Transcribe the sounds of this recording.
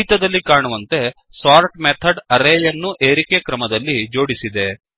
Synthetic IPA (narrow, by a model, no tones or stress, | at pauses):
it̪ɐd̪ɐlːikaːɳuʋɐnt̪e̞ | saːɾʈmet̪ʰɐɖɐɾeːjɐnːuʔeːɾikekɾɐmɐd̪ɐlːid͡ʒo̞ːɽisid̪e̞